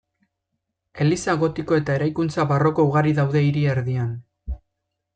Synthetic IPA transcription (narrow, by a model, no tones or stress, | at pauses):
e̞lisaɣo̞t̪iko̞e̞t̪ae̞ɾajkunt͡saβaro̞ko̞uɣ̞aɾiðawðe̞iɾie̞ɾðian